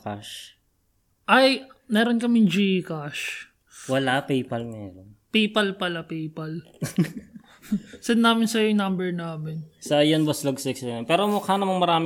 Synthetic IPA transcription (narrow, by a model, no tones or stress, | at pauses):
ka̰ʃ | ʔɐjmɛːɾonkɐmɪŋd͡ʒikaʃ | wɐlapɛjpɐlmɛ̰ːɾonpejpɐlpɐlapɛjpɐl | sɛd̪nːaːmɪnsɐjoŋnɐmbɛɹnaːmɪnsɐjɐnbɐslɐɡsɪksɐnpɛːɾomʊkanɐmɐŋmɐɾaːmɪ